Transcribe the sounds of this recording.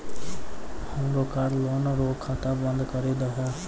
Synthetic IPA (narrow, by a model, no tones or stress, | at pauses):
həmɾoːkaːɽloːnɾoːkʰːat̪aːbə̃nd̪kəɾeːd̪aɦɛː